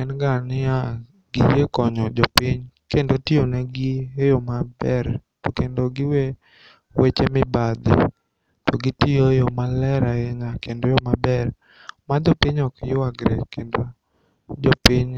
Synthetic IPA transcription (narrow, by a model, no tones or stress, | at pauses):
ɛnɡanɪja | ɡijekɔɲɔd͡ʒɔpɪɲkendotioneɡiejomabɛɾ | tɔkendoɡɪwe | wet͡ʃemɪbad̪ɪ̰ | tɔɡitiojomalɛɾaɪɲakendojɔmabɛr | mad̪ɔpiɲɔkjʊaɡɾɛ̰kendo | d͡ʒɔpɪɲ